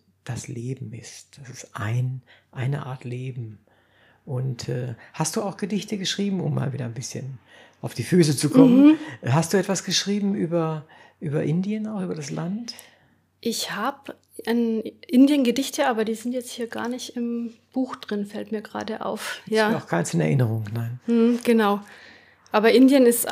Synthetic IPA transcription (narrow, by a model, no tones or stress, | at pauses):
d̥asleːbm̩ɪst̚d̥asɪstʔa̰ɪnʔaɪnə̰ʔa̰ːɐtleːbm̩ | ʔʊntʰɛ̰ːhast̚d̥uːaʊxɡ̥ədɪçtəɡəʃʁ̥iːbm̩ʊ̰mːa̰ːlviːdɐnbɪsçən | ʔaʊfd̥iːfyːsət͡sukʰɔmənhast̚d̥uːɛtv̥asɡ̥əʃʁ̥iːbm̩ʔyːbɐ | ʔyːbɐʔɪndiənaʊxʔyːbɐdaslant | ʔɪçhaːb | ʔanʔɪndjənɡədɪçtəʔaːbɐdiːzɪntjɛt͡sthiːɐɡa̰ːɐnɪçtɪmb̥uːxd̥ʁɪnfɛltmiːɐɡʁa̰ːdəʔa̰ʊfjaːaʊxkʰaɪnsɪnɛ̰ɐʔɪnəʁʊŋnaɪnm̩h̩ɡ̥ənaʊ | ʔaːbɐʔɪndjənɪst